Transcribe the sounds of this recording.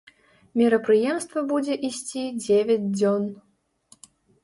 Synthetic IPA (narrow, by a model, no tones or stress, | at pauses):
mʲiɾɐpɾɨjɛmst̪vɐbud͡zʲɛʔisʲt͡sʲid͡zʲevʲɐd͡zʲd͡zʲɔn